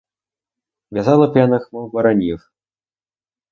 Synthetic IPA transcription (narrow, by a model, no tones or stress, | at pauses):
vʲazalˠɐpʲanɐxmɐwbɐɾanʲix